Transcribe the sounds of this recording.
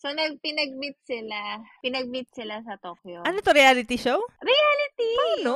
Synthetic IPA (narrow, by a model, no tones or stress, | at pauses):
sonɐɡ̚pɪnɐɡ̚bɪt̪̚sɪlapɪnɐɡ̚mɪt̪̚sɪlasɐt̪okjoʔɐnot̪oɾɪalɪt̪iʃowɾɪalɪt̪ipano